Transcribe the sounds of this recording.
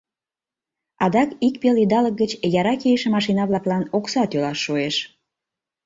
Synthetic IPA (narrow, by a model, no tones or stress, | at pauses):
ɑd̪ɑkik̚pelid̪ɑlək̚ɡət͡ɕjɑɾɑkeəʃĕmɑʃ̬inɑβlɑklɑnoksɑt̪ølɑʃːueʃ